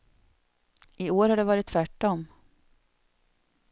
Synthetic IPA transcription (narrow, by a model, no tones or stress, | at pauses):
ɪoːɾhaɖɛvɑːɾɪt̪ʰːvæʈːɔm